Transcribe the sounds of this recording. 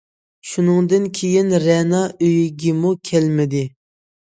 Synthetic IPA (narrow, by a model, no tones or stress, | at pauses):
ʃunɨŋd̪ɨnkʲʰejinɾɛnɑʔøjiɡʲimukʲʰɛlmɪd̪ɪ